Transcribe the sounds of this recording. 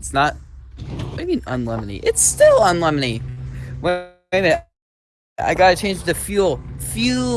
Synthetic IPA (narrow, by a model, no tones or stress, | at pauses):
tsnət̚ | aɪmĩnə̰̃nlɛmɨnḭʔɪtstɪlˠə̃nlɛmɨniwɨ | ɨ̃nɨ | a̰ɪɡɑɾɨt͡ʃʰẽɪ̃nd͡ʒɨfjulˠfjʉ